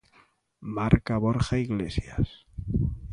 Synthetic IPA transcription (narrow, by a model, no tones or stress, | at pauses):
maɾkaβ̞oɾxaiɣlesjas